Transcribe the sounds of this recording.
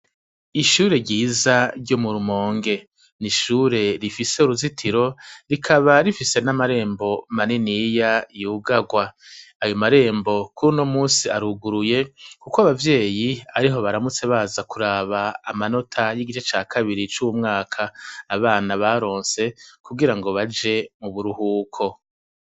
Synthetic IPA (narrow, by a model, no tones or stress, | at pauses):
iʃuːɾe̞ɾɟiːzaɾɟumuɾumo̞ːŋɡe̞ | niʃuːɾe̞ɾifise̞uɾuzitʰiɾo̞ɾikʰaβaɾifise̞namaɾe̞ːmbo̞maninijajuːɡaɡwaː | jomaɾe̞ːmbo̞kuɾunomuːnsiaɾuɡuɾuje̞kukoaβavje̞ːjiaɾiɦo̞βaɾamut͡se̞βazakuɾaːβaːmano̞tʰajiɡit͡ʃet͡ʃaːkʰaβiɾit͡ʃuwumŋaːkʰaːβaːnaβaɾo̞ːnse̞kuɡiɾaŋɡo̞βad͡ʒe̞muβuɾuhuːkʰo̞